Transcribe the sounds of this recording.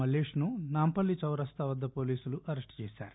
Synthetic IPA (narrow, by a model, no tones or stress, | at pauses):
ɐleːʂnunaːmpɐlːit͡ʃɐwɾɐst̪ʰɐʋɐd̪ːɐpo̞ːliːsuluʔɐɾesʈt͡ʃɛːsa̰ːɾu